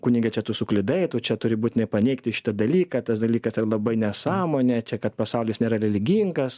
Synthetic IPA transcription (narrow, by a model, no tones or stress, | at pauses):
kʊnʲɪɡʲɛt͡ʃʲɛt̪ʊsʊklʲɪd̪ɐɪt̪oːt͡ʃʲɛt̪ʊɾʲɪbuːt̪ʲɪnɐɪpɐnʲɛɪktʲɪʃʲɪ̥t̪ɐd̪ɐlʲiːkɐt̪ɐsd̪ɐlʲiːkɐsɪrɐlˠɐbɐɪnʲɛsɑːmoːnʲɛt͡ʃʲɛkɐt̪pɐsɐʊlʲɪsnʲeːɾɐlʲɛlʲɪɡʲiŋɡɐs